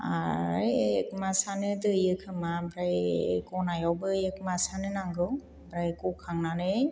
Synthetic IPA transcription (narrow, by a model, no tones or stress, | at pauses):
a̰ɾajek̚masanɯdɯjɯkʰɯmabɾajkɔnajawbɯek̚masanɯnaŋɡɯw | bɾajkɔkʰaŋnanɯ